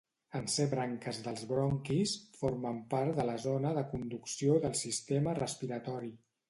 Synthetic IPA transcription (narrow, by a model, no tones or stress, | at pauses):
ənseβɾaŋkəzðəlˠzβɾɔŋkisfoɾməmpaɾt̪d̪ələzonəðəkund̪uksioðəlˠsist̪emərəspiɾət̪ɔɾi